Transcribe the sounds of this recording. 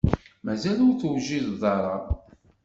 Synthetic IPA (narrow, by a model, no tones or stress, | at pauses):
mæzælʊɾθuwʒiððˤɑɾˤɑ